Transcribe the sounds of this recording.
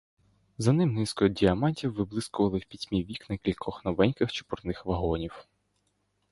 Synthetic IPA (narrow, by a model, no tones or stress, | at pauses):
zɐnɪmnɪskɔdʲiɐmɑnʲtʲiwːɪblˠɪskʊʋɐlˠɪwpʲidʲmʲiʋʲiknɛkʲilʲkʰɔxnɔʋɛnʲkɪxt͡ʃɪ̥pʊrnɪxʋɐɦɔnʲiw